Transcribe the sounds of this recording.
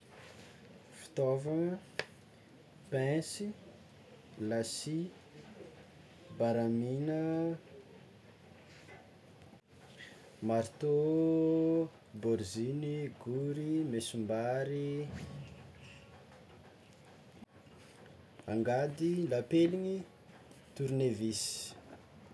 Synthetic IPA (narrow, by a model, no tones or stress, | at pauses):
fi̥t̪ovaŋə | pɛ̃si | lasi | baɾaminə | maɾt̪o | boɾziniɡuɾimesumbaɾi | aŋɡad̪ilapeliɲi | t̪uɾnevisi̥